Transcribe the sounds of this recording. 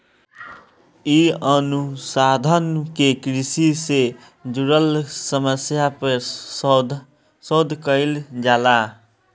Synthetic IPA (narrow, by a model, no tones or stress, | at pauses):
iənusad̪ʱənkekɾɪsise | d͡ʒuɾəlsəməsjapəɾ | sod̪ʱkəɪld͡ʒaːla